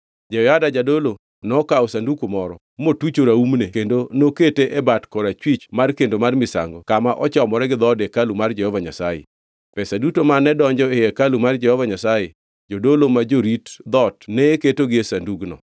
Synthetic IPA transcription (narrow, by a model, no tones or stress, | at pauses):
d͡ʒɛadad͡ʒadolo | nɔkaosandukumɔɾɔ | motwut͡ʃoɾaumnekendonoketeʔebatkɔɾat͡ʃwit͡ʃmarkendomarmɪsa̰ŋɡɔkamaʔɔt͡ʃɔmɔɾɛɡɪd̪ɔdekalumard͡ʒɛhɔvaɲasajḛ | pɛsadutomanːɛdɔɲd͡ʒɔejɛkalumard͡ʒɛhɔvaɲasaje | d͡ʒodolomad͡ʒoɾitd̪ɔtneketoɡɪesanduɡnɔ̰